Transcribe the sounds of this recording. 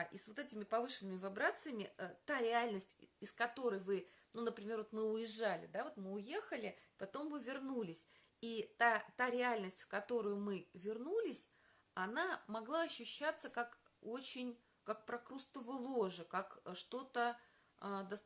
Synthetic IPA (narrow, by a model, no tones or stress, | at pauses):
ʔisvot̪ɛtʲɪmʲɪpɐvɨʂɨnːɨmʲɪvɨbɾat̪sɨjəmʲɪət̪aɾʲɪalʲnəsʲtʲɪskɐt̪o̞ɾəjvɨnunəpɾʲɪmʲe̞rvot̪mɨʊjɪʐːalʲɪ̰d̪avo̞t̪mɨʊjexəlʲɪpɐt̪o̞mvɨvʲɪrnulʲɪsʲ | it̪at̪aɾʲɪalʲnəsʲtʲfkɐt̪o̞ɾʊjʊmɨvʲɪrnulʲɪsʲ | ɐnamɐɡlˠaɐɕːʊɕːat̪səkak | o̞t͡ɕɪnʲ | kak̚pɾɐkɾust̪əvɨlˠoʐɨkakəʂt̪o̞t̪ə | ad̪ɐs